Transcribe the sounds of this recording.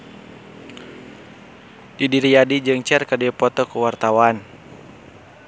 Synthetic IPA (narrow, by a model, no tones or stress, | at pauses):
didiɾijadid͡ʒɨŋt͡ʃɛrkadɛpɔt̪ɔkuwart̪awan